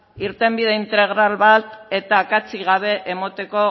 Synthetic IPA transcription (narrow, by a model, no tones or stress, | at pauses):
iɾt̪e̞mbið̞e̞int̪e̞ɣ̞ɾalβat̪e̞t̪akat͡siɣ̞aβ̞e̞ʔemot̪e̞ko̞